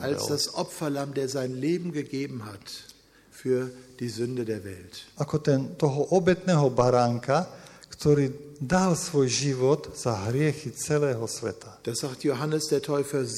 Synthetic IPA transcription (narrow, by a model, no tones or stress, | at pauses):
ʔʔalsd̥asʔɔpfɐlamdeːɐzaɪnleːbm̩ɡəɡeːbm̩ɦat | fyːɐd̥iːzʏndədeːɐvɛ̰ltʔakɔt̪ɛnt̪ɔɦɔʔɔbɛt̪nɛːɦɔbaɾaŋkakt̪ɔɾiːd̪alsʋɔjʒiʋɔd̪z̥aɦɾɪɛxit͡sɛlɛːɦɔsʋɛ̰t̪ad̥asz̥axtjoɦanəsd̥eːɐtʰɔʏfɐ